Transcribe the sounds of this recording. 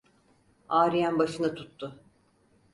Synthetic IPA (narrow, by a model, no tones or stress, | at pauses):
aːɾijænbaʃɯnat̪ʰut̪ːʊ